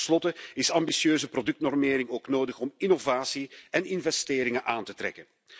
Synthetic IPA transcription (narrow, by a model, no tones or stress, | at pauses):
slɔtəɪsɑmbisjøːzəprodɵk̚tnɔrmeːɾɪŋoːknoːdəxɔmɪnovaːsiɛnɪnvɛsteːɾɪŋəʔaːntətɾɛ̰kən